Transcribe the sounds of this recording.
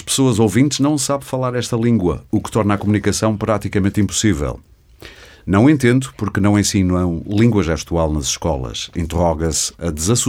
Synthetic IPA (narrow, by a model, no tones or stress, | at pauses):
ʃpɨ̥soɐzovĩnt̪ʒnɐ̃w̃saβfɐlˠaɾɛʃt̪ɐlˠĩŋɡwɐ̰ukt̪ɔɾnakumunikɐsɐ̃w̃pɾat̪ikɐmẽnt̪ĩmpu̥sivɛ̰lˠ | nɐ̃w̃ẽnt̪ẽnd̪upuɾknɐ̃w̃ẽsĩnwɐ̃w̃lˠĩŋɡwɐʒɛʃt̪walˠnɐziʃkɔlˠɐ̰ʃḭ̃nt̪ɨʁɔɣɐsɐd̪ɨzɐsu